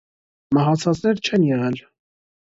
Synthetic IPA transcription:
mɑɦɑt͡sʰɑt͡snɛɾt͡ʃʰɛnjɛʁɛl

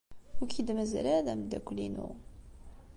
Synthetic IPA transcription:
ʊkid̪məzɾæðæmd̪ækʷːlinṵ

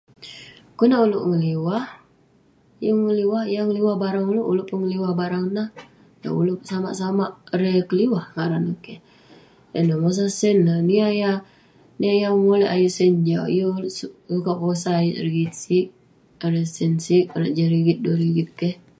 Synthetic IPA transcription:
kunauloʔŋəliwah | ijəŋəliwahjaŋəliwahbaɾaŋuloʔuloʔpuŋəliwahbaɾaŋnah | da̰ṵlopsama̰ʔsamaʔɾɛkəliwahŋaɾanakɛh | ənamos̬asɛnlaniaja | niajamolɛhajuʔsəɲd͡ʒawḭjosukaʔkosajɾiɡit̪̚sik̚ | ɾɛsɛnsik̚unaʔd͡ʒaɾiɡit̪̚doɾiɡit̪̚kɛh

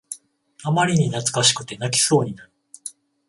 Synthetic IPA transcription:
amaɾʲiɲ̟inat͡sɨ̥kaɕi̥kɯ̟̥t̪e̞nak̬ʲi̥so̞ːɲ̟inaɾɯ̟

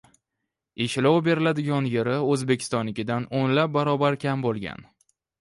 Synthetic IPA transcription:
eʃlɒwbe̞ɾɪlad̪ɪɡʲɒnjeɾɪɵzbe̞kʲʰɪ̥st̪ɒnlɪkʲɪd̪anonlap̚baɾɒbaɾkʲʰambolˠɡʲa̰n

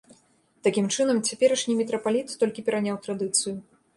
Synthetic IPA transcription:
t̪akʲimt͡ʂɨnɐmt͡sʲapʲɛɾɐʂnʲimʲɛt̪ɾɐpalʲit̪ːɔlʲkʲipʲɛɾanʲawt̪ɾad̪ɨt̪sɨjʊ

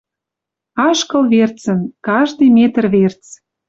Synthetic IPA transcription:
ɑʃkə̆lβert͡sə̆nkɑʒd̪əjmet̪ərβert͡s

